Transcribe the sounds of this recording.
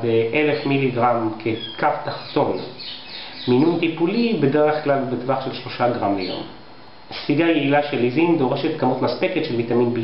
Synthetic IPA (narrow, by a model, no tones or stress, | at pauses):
deʔelefmiliɡʁamkʰekaft̪aχt̪o̞n | minunt̪ipulibe̞deʁeχklalbet̪vaχʃelʃlo̞ʃaɡʁamlḛjo̞̰m | siɡajeilaʃelizind̪o̞ʁeʃet̪kamot̪maspeket̪ʃelvit̪aminb